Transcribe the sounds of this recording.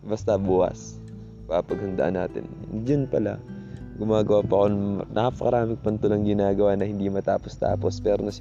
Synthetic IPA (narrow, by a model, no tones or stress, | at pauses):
bɐst̪ɐbuːʔɐ̰s | pɐɐpɐɡ̚hɐnd̪ɐʔa̰nːa̰ːt̪ɪ̰nd͡ʒɐnpɐla̰ | ɡʊmaːɡɐwaːpɐkonnɐʔapɐkɐɾaːmɪkpɐnt̪ʊlɐŋɡɪnaːɡɐwanɐhɪnd̪imɐt̪a̰ːpost̪a̰ːpospɛːɾonɐs